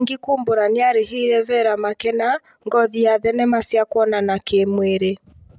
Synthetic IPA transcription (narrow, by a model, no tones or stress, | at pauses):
ŋɡikumboɾaneaɾeɦiɾɛvɛɾamakɛna | ŋɡɔðiaðɛnɛmasjakwɔnanakemweɾe